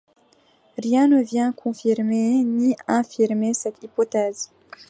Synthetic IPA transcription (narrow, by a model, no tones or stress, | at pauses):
ʁjɛ̃nəvjɛ̃kʰɔ̃fiʁmeniɛ̃fiʁmesɛt̪ipɔt̪ɛz